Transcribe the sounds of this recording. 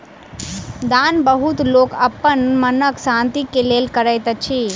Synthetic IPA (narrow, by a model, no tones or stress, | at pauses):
d̪aːnbəɦut̪loːkəpːənmənəksãːnt̪ikeleːlkəɾəjt̪ət͡ʃʰi